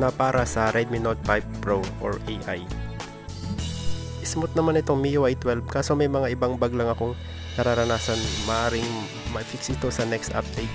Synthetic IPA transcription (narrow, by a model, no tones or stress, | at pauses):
nɐpaːɾɐsɐɾʔɛd̪̚mɪnod̪̚pajpːɹoʔo̰ɹʔejʔaj | ʔɪsmot̪̚nɐmanɪt̪o̞ŋmiʔoʔajt̪wɛlbkaːso̞mɐjmɐŋaʔɪbaŋbɐɡlɐŋɐko̞ŋ | nɐɾaɾɐnaːsɐnmɐʔaːɾɪŋ | mɐʔɪfɪksɪt̪o̞sɐnɛkst̪ʔa̰p̚d̪̥ɛjk̪̚